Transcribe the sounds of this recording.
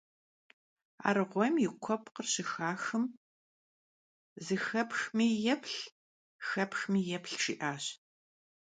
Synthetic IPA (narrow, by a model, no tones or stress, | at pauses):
a̰ːɾɨʁʷɔjmjɪqʷʰɔpqərɕɪxaːxɨm | zɨxɐpxmiːjɛpɬ | xɐpxmiːjɛpɬʂiːʔaːɕ